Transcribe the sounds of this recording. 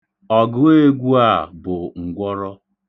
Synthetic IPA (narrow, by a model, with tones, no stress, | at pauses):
ɔ˨ɡʊ˦we˦ɡʷu˦a˦˨bʊ˨ŋ̩˨ɡʷɔ˦ɾɔ˦